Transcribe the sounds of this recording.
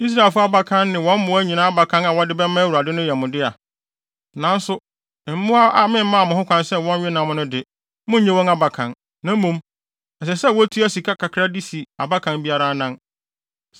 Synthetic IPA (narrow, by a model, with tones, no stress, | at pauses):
i˦s̬ɾa˨ɪ˨lfʊ˦a˦˨ba˦kʰã˦nːɪ̃˨wɔ̃˦n˦mʊ̃˨˦æ˦ɲĩ˨nãː˦a˦ba˨kʰã˦na˨wɔ˦dɪ˦bɛ˦mã˦wu˨a˨dɪ̃˦nʊ̃˦jɛ˨mʊ̃˨dɪ˦a˨ | nã˨˦n˦sʊ˦˨ | m̩˦mʊ̃˦a˦ʔa˨mɪ̃˦m̩˦mã˦˨mʊ̃˨hʊ̃˦kʰʷã˨nsɛ˦˨wɔ̃˦n˦ɥɪ˦nã˨m̃˦nʊ̃˦dɪ˨ | mʊ̃˦ɲɛ̃˦wɔ̃˦na˦ba˨kʰã˨n | nã˨˦mũ˦m | ɛ˨s̬ɛ˨sɛ˦˨wɔ˦tʰu˦æ˦si˨kʰa˦kʰa˨kʰɾa˦di˦si˨a˨ba˦kʰã˨nbi˦a˦ɾa˦nã˦n